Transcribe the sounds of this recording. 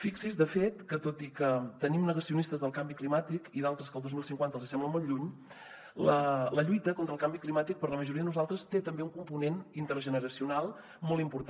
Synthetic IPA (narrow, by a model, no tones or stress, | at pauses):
fiksizðəfet̪kət̪ot̪ikət̪ənimnəɣəsiunist̪əzðəlˠkambiklimat̪ikiðalˠt̪ɾəskəlˠdozmilˠsiŋkwant̪əlzisɛmbləmolˠʎuɲ | lələʎujt̪əkont̪ɾəlˠkambiklimat̪ik̚pəɾləməʒuɾiəðənuzalˠt̪ɾəst̪et̪əmbeuŋkumpunenint̪əɾʒənəɾəsiunalˠ | mɔlˠimpuɾt̪